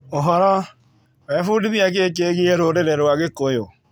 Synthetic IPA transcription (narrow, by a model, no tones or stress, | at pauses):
oɦɔɾɔ | βɛfudiβjak̬ekeɣieɾoɾeɾeɾwaɣekojo